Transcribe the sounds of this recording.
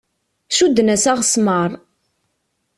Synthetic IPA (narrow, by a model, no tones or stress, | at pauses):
ʃud̪ːənæsæʁsməɾˤ